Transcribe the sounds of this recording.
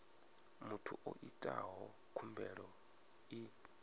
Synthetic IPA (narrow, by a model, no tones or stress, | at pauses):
mutʰuʔoʔitʼaɦɔ | kʰumbɛɺɔ | i